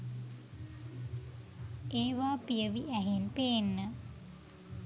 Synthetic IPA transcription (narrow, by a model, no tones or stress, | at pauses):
eːʋaːpijəʋiʔæɦenpeːnːə